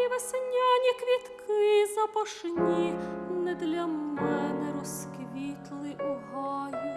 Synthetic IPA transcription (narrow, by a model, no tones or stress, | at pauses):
iʋɛsɛnʲːanʲikʋʲit̪kʰɪzɐpɐʂnʲinɛd̪lʲɐmɛnɛɾɔskʋʲit̪lˠɪʔuɦɑji